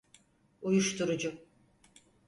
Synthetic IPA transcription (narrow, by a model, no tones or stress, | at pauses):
ujuʃt̪uɾud͡ʒʊ